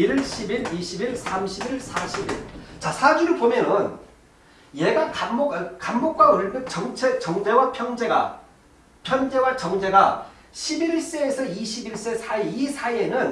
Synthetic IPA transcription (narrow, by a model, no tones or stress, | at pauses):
iɭɕʰibiɾiɕʰibiɭsʰamɕʰibiɭsʰaɕʰibiɭt͡ɕasʰad͡ʑuɾɯɭpomjʌnʌn | jeɡakːokamːok͈̚wawʌɭmjɯk̚t͡ɕʌŋt͡ɕʰet͡ɕʌŋd͡ʑe̞wapʰjʌŋd͡ʑe̞ɡa̰ | pʰjʌnd͡ʑe̞wat͡ɕʌŋd͡ʑe̞ɡa | ɕʰibiɭs͈e̞ːsʰʌiɕʰibiɭs͈e̞sʰaiisʰaienɯn